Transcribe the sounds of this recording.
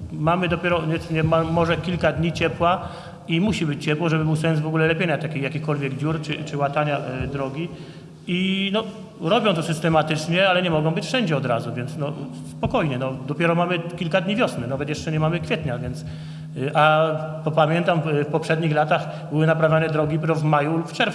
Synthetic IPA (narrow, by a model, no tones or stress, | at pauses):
mamɘd̪ɔpʲɛɾɔɲɛt̪sɲɛmamɔʐɛkʲilkad̪ɲit͡ɕɛpwa | imuɕibɘt͡ɕt͡ɕɛpwɔʐɛbɘbɘwsɛnsvɔɡulɛlɛpʲjeɲat̪akʲijakʲixkɔlvʲjɛɡd͡ʑuɾt͡ʂɘt͡ʂɘwat̪aɲad̪ɾɔɡʲi | inɔ | ɾɔbʲjɔ̃w̃t̪ɔsɘst̪ɛmat̪ɘt͡ʂɲɛalɛɲɛmɔɡɔ̃w̃bɘt͡ɕfʂɛɲd͡ʑɛɔd̪ɾazuvʲjɛnt̪snɔ | spɔkɔjɲɛnɔd̪ɔpʲjɛɾɔmamɘkʲilkad̪ɲivʲjɔsnɘnavɛt̪jɛʂt͡ʂɛɲɛmamɘkfʲjɛt̪ɲavʲjɛnt̪s | ʔapɔpamʲjɛnt̪amfpɔpʂɛd̪ɲixlat̪ax | bɘwɘnapɾavʲjanɛd̪ɾɔɡʲipɾɔvmajulupft͡ʂɛɾf